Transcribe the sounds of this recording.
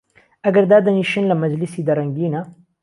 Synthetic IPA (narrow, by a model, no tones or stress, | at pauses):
ɐɡɐɾd̪aːd̪ɐniːʃinlɐmɐd͡ʒlisiːd̪ɐɾɐŋɡiːnɐ